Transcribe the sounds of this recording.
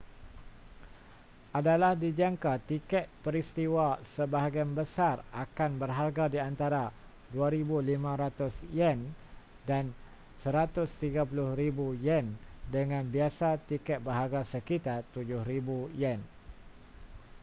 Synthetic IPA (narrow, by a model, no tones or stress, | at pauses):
ʔadalahdid͡ʒaŋkat̪ikɛt̪̚pəɾist̪iwasəbaɦaɡianbəsarʔakanbərɦarɡadiant̪aɾa | duaɾibulimãɾat̪ʊsjɛn | dan | səɾat̪ʊst̪iɡap̬ulʊhribujɛndəŋãnbiasat̪ikɛt̪̚baɦaɡasəkit̪art̪ud͡ʒʊhɾibujɛn